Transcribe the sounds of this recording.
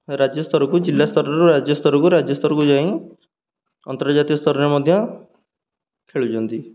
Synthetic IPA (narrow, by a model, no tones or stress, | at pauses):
ɾad͡ʒjɔst̪ʰɔɾɔkud͡ʒilːast̪ʰɔɾɔɾuɾad͡ʒjɔst̪ʰɔɾɔkuɾad͡ʒjɔst̪ʰɔɾɔkud͡ʒaĩ | ɔnt̪ɔɾd͡ʒat̪ijɔst̪ʰɔɾɔɾemɔd̪ʱjɔ | kʰeɭud͡ʒɔnt̪i